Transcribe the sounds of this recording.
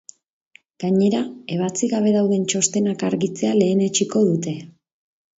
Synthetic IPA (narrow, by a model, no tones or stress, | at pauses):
ɡ̥aɲe̞ɾae̞β̞at͡siɣaβ̞e̞ðawðe̞nt͡ʃo̞st̪e̞nakaɾɣit͡se̞ale̞ːne̞t͡ʃiko̞ðut̪e̞